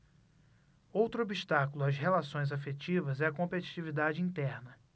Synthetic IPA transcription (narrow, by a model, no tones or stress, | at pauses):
owt̪ɾʊobiʃt̪akulʊazɦelasõj̃zafet͡ʃivɐzɛɐkõpet͡ʃi̥t͡ʃivid̪ad͡ʒɪĩnt̪ɛɾnɐ